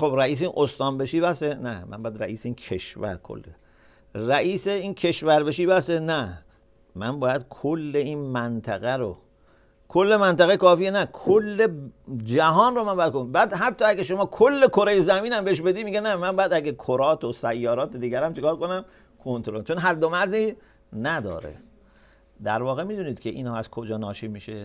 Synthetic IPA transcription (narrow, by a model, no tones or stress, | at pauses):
xobɾæiːs̬einʔost̪ɒːnbeʃiːbæsenæ̰mæ̰nmbːjæd̪ɾæ̰ʔiːseiːnkʰḛʃvæ̰ɾkʰo̰lːe | ræʔiːseiːnkʰeʃvæɾbeʃiːbæsenæ | mænbɒːjæd̪̥̚kʰolːeinmænt̪ʰæɣæɾo̰ | kʰolːe̞mænt̪æɣekɒːfiːenækʰolːed͡ʒæɦɒːnromænmbɒːjæd̪kobæːd̪ɦæt̪ʰːɒːæɡæʃo̞mɒːkʰolːe̞kʰoɾe̞jezæmiːnæmbeeʃbe̞d̪iːmiːɡenæmænbɒːjæd̪æɡekʰoɾɒːt̪ʰosæjːɒːɾɒːt̪ed̪iːɡʲæɾæmt͡ʃʰekɒːɾkonæm | kʰont̪oɾot͡ʃʰo̞nɦæɾd̪ːomæɾzi | næd̪ɒ̰ːɾḛ | d̪æ̰ɾvɒːɣemiːd̪uniːd̪̥kʰeʔḭːnhɒːæz̥kʰod͡ʒɒːnɒːʃiːmiːʃe